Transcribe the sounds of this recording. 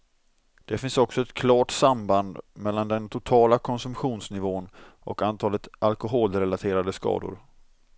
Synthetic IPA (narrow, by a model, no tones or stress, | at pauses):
d̪̥ɛfɪnsɔksɔɛt̪kʰlɑːʈsamband̪mɛlːand̪ɛnt̪ʰʊt̪ʰɑːlakʰɔnsɵmpɧuːnsnɪvoːnʔɔ̰kant̪ʰɑːlət̪ʔalkʊɦoːlɾɛlat̪ʰeːɾad̪əskɑ̰ːd̪ʊ̰ɾ